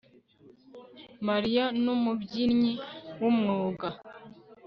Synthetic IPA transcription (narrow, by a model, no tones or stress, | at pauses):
maɾijanumubɟinɲiwumŋoːɡa